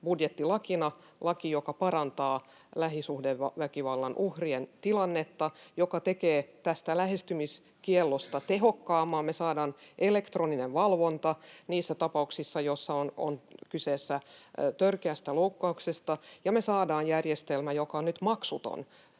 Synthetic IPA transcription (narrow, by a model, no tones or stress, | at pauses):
budjet̪ːilɑkinɑ | lɑkijokɑpɑɾɑnt̪ɑː | læɦisuhdeʋɑʋækiʋɑlːɑnʔuhrient̪ilɑnːet̪ːɑjokɑt̪ekeːt̪æst̪ælæhest̪ymis | kielːost̪ɑt̪eɦokːɑːmɑːmmesɑːdɑːnʔelekt̪roːnineʋʋɑlʋont̪ɑniːsːæt̪ɑpɑuksisːɑjosːɑono̰nkyseːsːæt̪ørkeæst̪æloukːɑuksest̪ɑjɑmesɑːdɑːjjærjest̪elmæjokɑnyt̪mɑksut̪o̰n